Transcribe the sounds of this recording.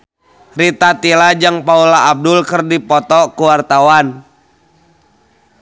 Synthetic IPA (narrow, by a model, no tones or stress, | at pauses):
rit̪at̪ilad͡ʒaŋpaulaːb̚dʊlkərdipɔt̪ɔkuwart̪awan